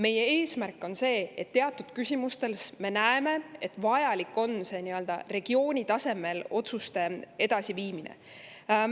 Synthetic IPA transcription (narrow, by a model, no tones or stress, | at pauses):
me̞je̞eːsmærkːˑo̞nse̞ːet̪ːe̞ɑt̪ˑːud̪̥kysʲimust̪e̞lsme̞næeme̞et̪ːˑvɑjɑlikːˑo̞nse̞niø̞ld̪̥ɑ̰re̞ɡ̥io̞ːnʲit̪ɑse̞me̞lo̞t̪sust̪e̞e̞d̪̥ɑsiviːminḛ